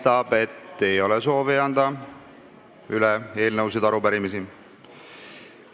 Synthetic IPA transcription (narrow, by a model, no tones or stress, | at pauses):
t̪ɑb̥e̞t̪ːe̞jo̞lɛso̞ːviɑnd̪̥ɑ | ylɛe̞ːlnəws̬id̪ɑɾupæɾimisi